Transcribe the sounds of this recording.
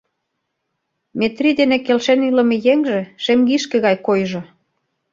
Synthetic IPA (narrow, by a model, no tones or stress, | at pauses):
met̪rid̪enekelʃenylə̆mĕjeŋʒĕʃemɡiʃkĕɣɑjkojʒɤ̆